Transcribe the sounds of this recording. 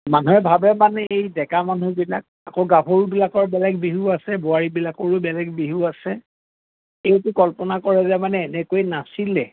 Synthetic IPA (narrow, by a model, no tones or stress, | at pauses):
manuɛbʱabɛmanɛejdɛkamanubilak̚ | a̰koɡapʰoɹubilakɔɹbɛlɛk̚biɦuasɛboaɹibilakɔɹubɛlɛkbiɦuasɛ | ejtʊkɔlpɔnakɔɹɛzɛmanɛːnɛkojnasilɛ